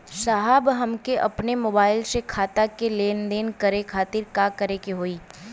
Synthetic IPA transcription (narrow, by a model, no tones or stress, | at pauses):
ʃaɦəbɦɐmkeʔɐ̰pnemoːbaːɪlsekʰaːt̪akeleːnd̪eːnkɐɾekʰaːt̪ɪɾkaːkɐɾekeɦoːiː